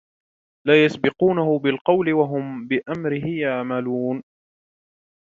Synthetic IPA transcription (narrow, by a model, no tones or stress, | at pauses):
laːjasbɪquːnahʊbɪlqɑwlɪwaɦʊmbɪʔamɾɪɦɪjaʕmaluːn